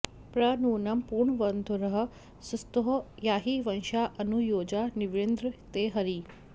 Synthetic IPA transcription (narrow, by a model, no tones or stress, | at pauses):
pɾɐnuːnɐmpuːɾɳʋɐnd̪ʱuɾɐɦɐ̆ | sust̪oɦojaːɦiʋɐnʃaːʔɐnujoːd͡ʒaːniʋɾend̪ɾət̪eːɦɐɾiː